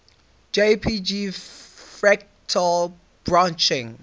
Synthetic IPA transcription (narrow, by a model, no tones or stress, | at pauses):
d͡ʒepʰid͡ʒifɹɛk̚ | tʰɔ | b̥ɹãnt͡ʃɪ̃ŋ